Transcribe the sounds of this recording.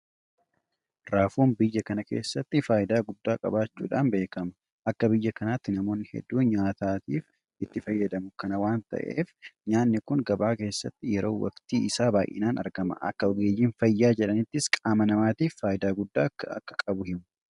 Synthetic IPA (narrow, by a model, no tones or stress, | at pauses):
ɾaːfuːnbɪjːɐkɐnɐke̞̰ːsːɐt̪ːɪfaːʔɪd̪aːɡʊd̪ːaːkʼɐ̰baːt͡ʃːṵːᶑaːnbe̞ːkɐmɐ | ʔɐkːɐbɪjːɐkɐnaːt̪ːɪnɐmo̞ːnːɪhɛ̰d̪ːuːɲaːt̪aːt̪iːf | ʔɪt̪ːɪfɐjːɐd̪ɐmʊkɐnɐwaːnt̪ɐ̰ʔḛːfɲaːnːɪkʊŋɡɐbaːke̞ːsːɐt̪ːɪjɛɾo̞̰ːwɐ̰kt̪iːʔɪsaːbaːjʔɪ̰naːnɐ̰ɾɡɐmɐ̰ʔɐ̰kːɐɔɡeːd͡ʒiːnfɐjːaːd͡ʒɛᶑɐnɪt̪ːɪskʼaːmɐnɐmaːt̪iːfːaːʔɪd̪aːɡʊd̪ːaːɐ̰kːɐ̥kʼɐbʊhɪmʊ̥